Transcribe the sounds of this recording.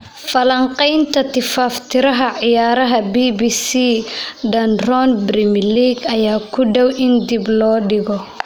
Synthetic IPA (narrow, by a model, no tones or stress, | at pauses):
fɐlɐɴqɛjnt̪ʰɐt̪ʰɪfaːft̪ʰɪɾɐɦɐʕɪjaːɾɐɦɐbiːbiːsiɖɐnrɔnbrɪmliːɡɐjaːkʰʊɖɔwʔɪnd̪iblɔːɖɪɣɔ